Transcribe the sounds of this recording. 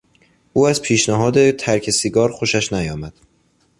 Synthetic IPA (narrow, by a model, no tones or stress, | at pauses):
ʔuːæzpʰiːʃnæɦɒːd̪e̞t̪ʰæɾcʰesiɡɒːɾxo̞ʃæʃnæjɒːmæd̪̥